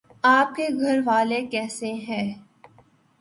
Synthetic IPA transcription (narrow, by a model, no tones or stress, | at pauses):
aːp̚keɡʱɐɾʋaːlekɛːseɦɛ̃ː